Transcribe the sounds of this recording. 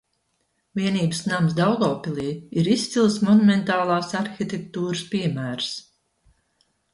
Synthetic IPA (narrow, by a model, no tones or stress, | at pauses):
vʲiɛniːbəsnamsd̪awɡ̪ɔːpʲilˠiːiɾist̪silˠsmɔnumɛnt̪aːlˠaːsaɾxit̪ek̚t̪uːɾɨspiɛmæːɾs